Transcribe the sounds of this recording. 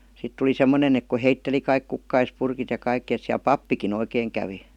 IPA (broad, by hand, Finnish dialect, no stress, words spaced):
sit tuli semːonen ek ku heitːeli kɑik kukːɑispurkit jɑ kɑikːĭ et siæl pɑpːikin oikeːŋ kæʋi